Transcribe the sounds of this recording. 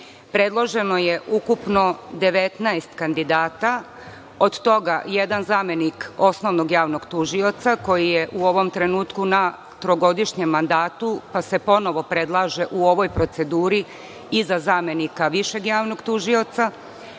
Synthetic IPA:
pɾe̞d̪lˠo̞ʒe̞no̞je̞ʔukupno̞d̪e̞ʋe̞t̪naest̪kand̪id̪aːt̪a | od̪t̪o̞ɡa̰jed̪anzaːmeniko̞sno̞ʋno̞ɡjaːʋnoɡt̪uʒio̞t̪sako̞jijeʔuo̞ʋo̞mt̪ɾe̞nuːt̪kuna | t̪ɾoɡo̞d̪iʃɲemːand̪aːt̪upase̞po̞no̞ʋo̞pɾe̞d̪lˠaːʒe̞ʔuo̞ʋo̞jpɾo̞t̪se̞d̪uːɾi | izazaːme̞nikaʋiʃe̞ɡjaːʋno̞ɡt̪uʒio̞t̪sa

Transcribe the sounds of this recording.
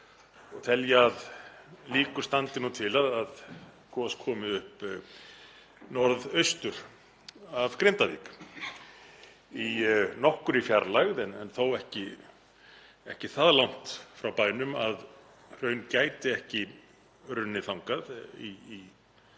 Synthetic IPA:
t̪ʰɛljaðliːkʏɾ̥st̪ant̪ɪnut̪ʰɪlaðað | kʰɔːskʰɔːmɪʏhp | nɔɾðœɥst̪ʏɾ̥ | avkɾɪnt̪avḭːk | inɔhkʏɾifjaɾlaɣðɛnɛnθowɛhcɪ | ɛhcɪθaðlawŋ̥t̪fɾawpaːjnʏmað | r̥œɥncaːjt̪ɪɛhcɪ | ɾʏnːɪθawŋkaðiː

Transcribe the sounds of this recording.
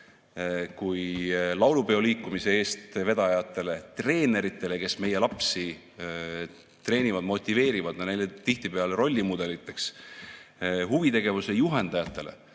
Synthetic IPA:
kujlɑwlupe̞o̞liːkːˑumise̞e̞ːst̪ve̞d̪̥ɑjɑt̪ːˑe̞le̞t̪re̞ːne̞ɾit̪ːˑe̞le̞ke̞sme̞je̞lɑpsi | t̪re̞ːnʲivɑd̪̥mo̞t̪ʲːˑive̞ːɾivɑd̪nɑnejlet̪iht̪ipe̞ɑleɾo̞lʲːimud̪̥e̞lit̪ːˑe̞ks | ɦuvit̪e̞ɡ̥e̞vusejuɦe̞nd̪ɑjɑt̪ˑːe̞le̞̰

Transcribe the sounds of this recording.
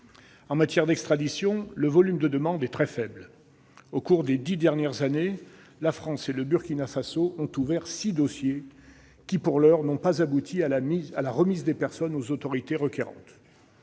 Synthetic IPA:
ɑ̃mat̪jɛʁd̪ɛkst̪χad̪isjɔ̃ləvɔlymd̪əd̪əmɑ̃d̪ɛt̪χɛfɛbl | okuʁd̪ed̪id̪ɛʁnjɛʁzane | lafχɑ̃seləbyʁkʲinafasoʔɔ̃t̪uvɛʁsid̪ɔsje | kʲipuʁlœʁnɔ̃pazabut̪ʰiaaialaʁəmizd̪epɛʁsɔnozot̪ɔʁit̪eʁəkʲeʁɑ̰̃t̪

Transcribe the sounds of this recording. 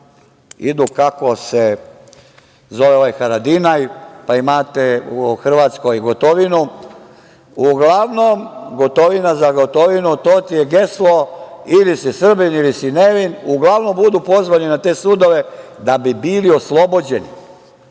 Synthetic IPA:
ḭd̪ukako̞se | zo̞ʋeoʋajxaɾad̪inajpaimaːt̪euxr̩ʋaːt̪sko̞jɡot̪oʋinu | uɡlaʋnomɡot̪o̞ʋinazaɡot̪o̞ʋinut̪oːt̪ijeɡe̞slˠoilisisr̩binilisineʋinuɡlˠaʋno̞mbud̪uːpo̞zʋaninat̪e̞ːsud̪o̞ʋe̞d̪abibilio̞slˠo̞bod͡ʑenḭ

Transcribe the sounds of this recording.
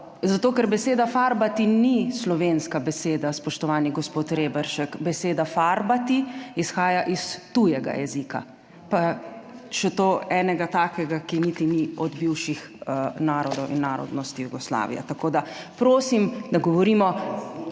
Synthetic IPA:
zat̪oːkɛɾbɛseːd̪afaːɾbat̪inislɔʋeːnskabɛseːd̪aspɔʃt̪ɔʋaːniɡɔspoːt̪ɾeːbɛɾʃɛkbɛseːd̪afaːɾbat̪iisxaːjaʔist̪ujɛɡa̰jɛ̰zika̰ | pa | ʃɛt̪oːɛːnɛɡat̪aːkɛɡakinit̪iniɔd̪biwʃix | naːɾɔd̪ɔwʔḭnːaːɾɔ̰d̪nɔst̪ijuɡɔsla̰ːʋḭja̰t̪akod̪apɾoːsimd̪aɡɔʋɔɾiːmɔ

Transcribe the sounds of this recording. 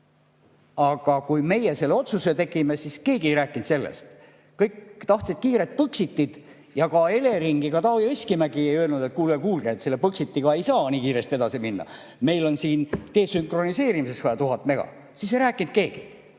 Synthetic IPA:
ɑɡ̥ɑkujme̞jese̞lːeo̞t̪suset̪e̞ɡimesiske̞ːɡ̥iejɾæːkːˑint̪se̞lːḛst̪ | kɤjkt̪ɑht̪sid̪̥̚kiːɾe̞t̪̚pɤksit̪ːid̪̥ | jɑkɑe̞le̞ɾiŋɡikɑt̪ɑːvjesʲkimæɡiejøelnud̪̥e̞t̪̚kuːlekuːlɡ̥eet̪se̞lːepɤksit̪ːiɡ̥ɑe̞jsɑːniːkiːɾe̞st̪ie̞d̪ɑsiminːɑ̰ | me̞jlo̞nsiːnt̪e̞ːsyŋkro̞nise̞ːɾimisesfɑjɑt̪uɦɑt̪ːˑme̞ɡ̥ɑ̰ | sisejɾæːkːˑint̪̚ke̞ːɡ̥i

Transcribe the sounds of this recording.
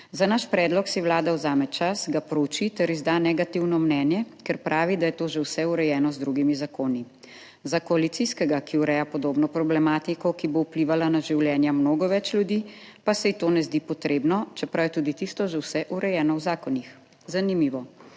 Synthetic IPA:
zanaʃpɾɛːd̪lɔksɛwlaːd̪awzaːmɛt͡ʃasɡapɾout͡ʃit̪ɛɾizd̪aːnɛɡat̪iwnɔmnɛːnjɛkɛɾpɾʔaːʋid̪ajɛt̪oːʒɛwsɛuɾɛjɛːnɔzd̪ɾuɡimizakoːni | zakɔalit̪siskɛɡakiuɾɛːjapɔd̪oːbnɔpɾɔblɛmaːt̪ikɔkibowpliʋalanaʒiwljɛːnjamnoːɡɔʋɛt͡ʃlʲjud̪ipasɛit̪oːnɛzd̪ipɔt̪ɾeːbnɔt͡ʃɛpɾawjɛt̪ud̪it̪ist̪ɔʒɛwsɛʔuɾɛjɛːnɔwzaːkɔnix | zanimiːʋɔ

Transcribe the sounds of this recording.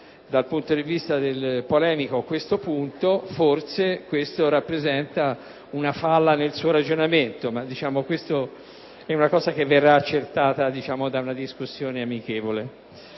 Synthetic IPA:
d̪alpunt̪od̪ivist̪ad̪elpolɛːmikoakːwest̪opunt̪oforsekwest̪oɾapːɾezɛnt̪a | unafalːanelsuːoɾad͡ʒonament̪omad̪ːit͡ʃaːmokwest̪o | ɛunakɔːzak̟evːerːaːt͡ʃːert̪aːt̪ad̪it͡ʃaːmod̪aunad̪iskusːjoːneamik̟eːvole

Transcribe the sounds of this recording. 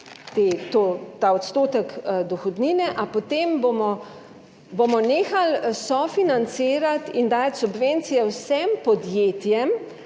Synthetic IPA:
t̪eːt̪ot̪aːɔt̪st̪oːt̪əkd̪ɔxɔd̪niːnɛʔapɔt̪embomɔ | bomɔneːxalsɔfinant̪siːɾat̪ind̪aːt̪ʲsubʋent̪sijɛwsɛmpɔd̪jeːt̪jɛm

